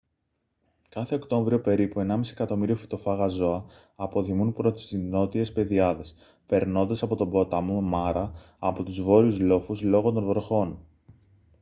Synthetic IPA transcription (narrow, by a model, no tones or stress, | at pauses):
kɐθe̞o̞kt̪o̞ɱvɾio̞pe̞ɾipue̞nɐmisie̞kɐt̪o̞miɾiofi̥t̪o̞fɐɣɐzo̞ɐː | po̞ðimunpɾo̞t̪i̥sino̞t̪ie̞spe̞ðiɐðe̞s | pe̞ɾno̞nd̪ɐsɐpo̞t̪o̞bo̞t̪ɐmumɐɾɐː | po̞t̪uzvo̞ɾiuzlo̞fuzlo̞ɣot̪o̞nvo̞ɾxo̞n